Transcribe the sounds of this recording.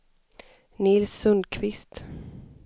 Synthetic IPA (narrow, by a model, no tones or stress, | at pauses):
nɪlsːɵnd̪̚kʰvɪst̪